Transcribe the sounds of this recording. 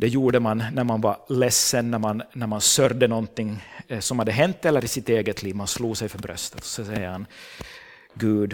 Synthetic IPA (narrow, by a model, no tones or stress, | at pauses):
d̪̥ɛjuːɖəmanːæɾmanvaɾlɛsːənːæɾmannæɾmansœɾd̪ənɔnt̪ɪŋːsɔmhad̪ːəɦɛnt̪ːɛlːəɾɪsɪt̪eːɡət̪ʰliːvmansluːsɛjfœɾbɾʔœ̰st̪ət̪ɔ̥sɔsɛjːəɾhan | ɡʉːd̪